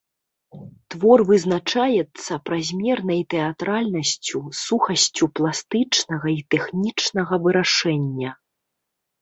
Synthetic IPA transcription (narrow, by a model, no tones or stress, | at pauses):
t̪vɔrvɨznat͡ʂajɛt̪sːɐpɾazʲmʲɛrn̪ɐjt̪ɛat̪ɾalʲnɐsʲt͡sʲusuxɐsʲt͡sʲuplˠast̪ɨt͡ʂnɐɣɐit̪ɛxnʲit͡ʂnɐɣɐvɨɾaʂɛnʲːɐ